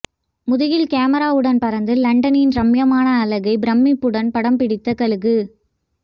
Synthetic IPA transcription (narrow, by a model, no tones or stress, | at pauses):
mʊðɪjɪlkaːmɐɾaːʋɯɽɐnpɐɾɐnd̪ɯlɐɳɖɐnɪnɾɐmjɐmaːnɐːlɐɣɐɪbɪɾɐmːipːɯɽɐnpɐɽɐmpɪɽɪt̪ːɐkɐɭɯɣɯ